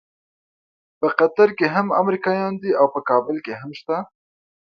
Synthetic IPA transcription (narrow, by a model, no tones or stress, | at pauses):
pəqat̪aɾkeɦama̰mɾikɑjɑnd̪iawpəkɑːbɪlkeɦamʃt̪a